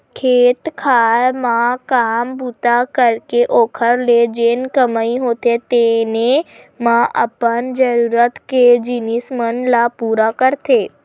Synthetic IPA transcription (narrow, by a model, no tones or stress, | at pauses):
kʰeːt̪kʰalmãkambut̪akəɾkeʔoːkʰəɾled͡ʒenkəmaiɦot̪et̪ene | mãʔə̰pənd͡ʒəɾuɾət̪ked͡ʒinismənlapuːɾakəɾt̪ʰeː